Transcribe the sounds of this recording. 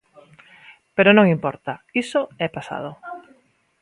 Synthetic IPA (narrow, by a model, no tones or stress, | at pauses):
peɾonõŋimpɔ̰ɾt̪aisoɛpasa̰ð̞o